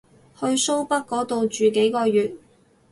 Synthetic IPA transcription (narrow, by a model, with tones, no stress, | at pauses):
hɵ˧ɥso˥wpɐ˥k̚kːɔː˨˥t̪o˨wt͡ʃyː˨˩ke˨˥jkɔː˧jyː˨t̚